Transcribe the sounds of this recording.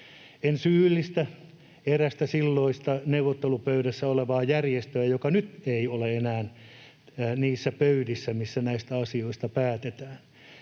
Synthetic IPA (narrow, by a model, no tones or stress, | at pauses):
ensyːlːist̪æ | eræst̪æsilːoist̪ɑneuwʋot̪ːelupøyɾæsːæoleʋɑːjærjest̪øæjokɑnyt̪eioleenæːn | niːsːæpøydisːæmisːænæist̪æɑsioist̪ɑpæːt̪et̪æːn